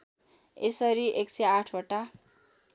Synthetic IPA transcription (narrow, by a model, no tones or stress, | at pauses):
esʌɾiʔekseaʈʰʌʈa